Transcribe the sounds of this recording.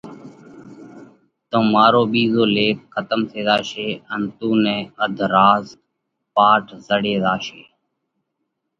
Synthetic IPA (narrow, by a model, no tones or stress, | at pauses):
t̪õːmaːɾoːɓiːzoːleːk̚kʰət̪əmt̪ʰeːd̪aːʃeːənt̪ũːnɛ̃ːəd̪ʱɾaːz | paːʈʰzəɽeːd̪aːʃeː